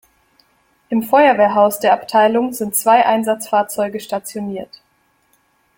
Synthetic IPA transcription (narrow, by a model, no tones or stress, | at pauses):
ʔɪmfɔʏɐveːɐɦaʊsd̥eːɐʔaptʰaɪlʊŋzɪntt͡sv̥aɪʔaɪnzat͡sfaːɐt͡sɔʏɡəʃtat͡sjoniːɐt